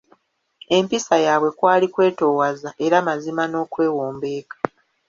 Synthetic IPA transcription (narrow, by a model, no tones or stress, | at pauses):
e̞mpisajaːβwe̞kwaːlikwe̞ːto̞ːwazaʔe̞ɾamazimano̞ːkwe̞ːwoːmbe̞ːkḁ